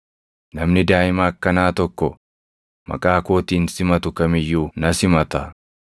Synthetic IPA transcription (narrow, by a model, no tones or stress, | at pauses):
nɐmnɪd̪aːʔɪmaːkːɐnaːt̪ɔkːɔ | mɐ̰kʼaːko̞ːt̪iːnsɪmɐt̪ʊkɐmɪjːuːnɐsɪmɐt̪ɐ